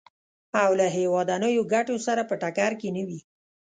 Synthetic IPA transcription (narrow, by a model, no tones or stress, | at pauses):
awlaɦewɑd̪anəjoɡaʈosaɾapəʈakaɾkenəwi